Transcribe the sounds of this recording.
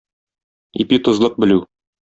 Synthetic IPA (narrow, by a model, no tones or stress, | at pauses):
ipit̪ŏzlˠɤq̚bɘ̆lʉ